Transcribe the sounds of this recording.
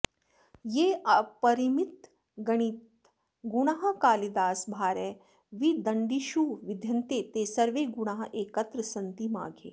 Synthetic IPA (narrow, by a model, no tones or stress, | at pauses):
jeːɐpɐɾimit̪ | ɡɐɽ̃it̪ | ɡuɽ̃aɦɐkaːlid̪aːsbʱaːɾɛ | ʋid̪ɐɳɖiʃuːʋɪd̪ʱjɐ̃nt̪eːt̪eːsɐɾʋeːɡʊɽ̃aɦʔeːkɐt̪ɾəsɐ̃nt̪ima̰ːɡʱḛː